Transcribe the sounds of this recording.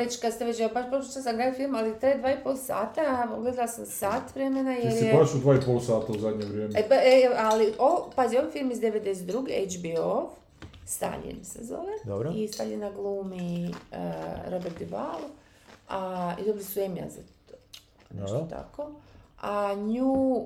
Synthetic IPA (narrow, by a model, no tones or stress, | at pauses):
et͡ʃkad̪st̪eʋet͡ʃeobaʃpɾoot͡ʃ̪asamɡɾaːdifilmalit̪ɾad̪ʋaːipolˠsa̰ːt̪aɡle̞d̪alasamsaːt̪ʋɾemenajeɾjeosud̪ʋaːipolˠsaːt̪auzad̪ʲɲeʋɾjeːmeeaealiʔopazijoʋijfilmizd̪eʋed̪d̪eset̪d̪ɾuɡiejd͡ʒbiof | st̪a̰ʎḭmsḛzo̰ʋed̪obɾoist̪a̰ʎʲienaɡlˠuːmi | ɾobeɾt̪iʋa̰lˠu | aḭd̪obɾisuemja̰zat̪ | o | nḛʃot̪a̰koaɲuː